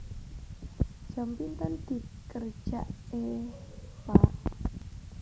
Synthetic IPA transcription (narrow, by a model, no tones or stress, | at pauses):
ʒ̥a̤mpint̪ənd̪̥i̤kər̥ʒ̥aʔe | pa